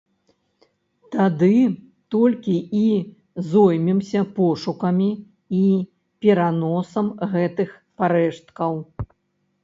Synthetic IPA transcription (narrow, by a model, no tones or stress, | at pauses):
t̪ad̪ɨ | t̪ɔlʲkʲii | zɔjmʲɛmsʲɐpɔʂukɐmʲi | i | pʲɛɾanɔsɐmɣɛt̪ɨx | paɾɛʂt̪̚kɐw